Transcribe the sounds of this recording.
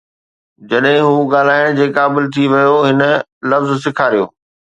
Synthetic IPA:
d͡ʑɐɗɦɪ̃ɦuːɠaːl̤aːɪɽ̃d͡ʑeːkaːbɪlt̪ʰiʋɐjoɦɪnə̆lɐfzsɪkʰaːɾijo̰ː

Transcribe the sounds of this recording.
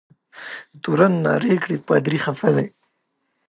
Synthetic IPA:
t̪uɾanːɑ̰ɾekɽipad̪ɾiχafad̪aj

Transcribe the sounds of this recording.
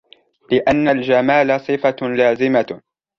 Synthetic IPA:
lɪʔanːald͡ʒamaːlasˤɨfalaːzɪma

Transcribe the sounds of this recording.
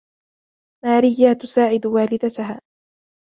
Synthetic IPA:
maːɾɪjːaːt̪ʊsaːʕɪd̪waːlɪd̪at̪aɦaː

